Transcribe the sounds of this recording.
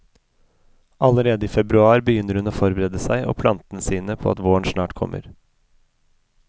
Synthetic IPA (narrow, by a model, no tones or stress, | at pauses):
ʔɑləɾeːd̪əiːfɛbɾʉɑːɾbəjʏnːəɾhʉnoːfɔɾbəɾɛːd̪əsæɪʔo̰ːpʰlɑnt̪ənəsiːnəpʰo̰ːɑ̰t̪ʋoːəɳʃnɑːʈkʰɔ̰mːʔə̰ɾ